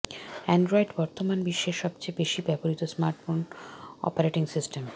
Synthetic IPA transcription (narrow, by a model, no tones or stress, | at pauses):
ɛɳɖɾoiɖbɔɾt̪omanbiʃːeɾʃɔbt͡ɕejbeʃibɛpoɾit̪osmaɾʈfonɔ̰paɾeʈiŋsisʈem